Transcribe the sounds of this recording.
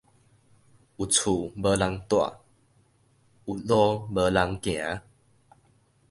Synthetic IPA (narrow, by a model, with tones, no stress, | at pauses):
ʔu˨˩t͡sʰu˨˩bə˧˦la˧ŋt̪wa̰˧˨ | u˨lɔ˦bə˧la˧ŋkj̃ã˨˦